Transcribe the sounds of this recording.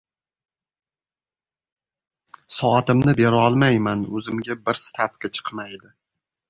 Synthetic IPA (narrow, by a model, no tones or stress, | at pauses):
sɒat̪ɪmnɪbeɾaɒlˠmajmanɵzɪmɡʲabɪɾsɪ̥t̪ʰapkʲat͡ʃʰɨ̥qmajd̪ɪ